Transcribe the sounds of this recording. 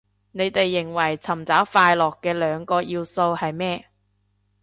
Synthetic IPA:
ne˨˧jt̪e˨jːɪ˨˩ŋwɐ˨˩jt͡sʰɐ˨˩mt͡saː˨˥wfaː˧jlɔː˨kːɛː˧lœː˨˧ŋkɔː˧jiː˧wso˧whɐ˨jmɛː˥

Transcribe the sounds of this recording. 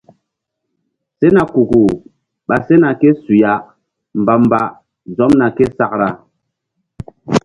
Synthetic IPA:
se˦na˨ku˨ku˨ | ɓa˨se˦na˨kɛ˦su˨ja˨˦ʔ | m̩˨ba˨m̩˨ba˦ | zɔ˨˦mna˨kɛ˦sa˦k̚ɾa˨

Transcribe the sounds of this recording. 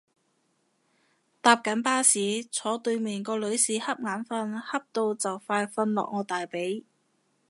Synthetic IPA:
t̪aː˧p̚kɐ˨˥npaː˥siː˨˥t͡sʰɔː˨˥t̪ɵ˧ɥmɛː˨˩nkɔː˧lɵ˨˧˥ɥsiː˨hɐ˥p̚ŋaː˨˥nfɐ˧nhɐ˥p̚t̪o˧wt͡sɐ˨wfaː˧jfɐ˧nlɔ̰ː˨k̚ŋɔː˨˧t̪aː˨jpe˨˥j

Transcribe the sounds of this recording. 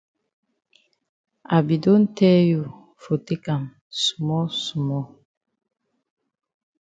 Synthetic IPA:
a˨bi˨do˦n˦tɛ˦ju˨ | fo˨te˦ka˨m | su̥˨mɔ˦su˨mɔ˦

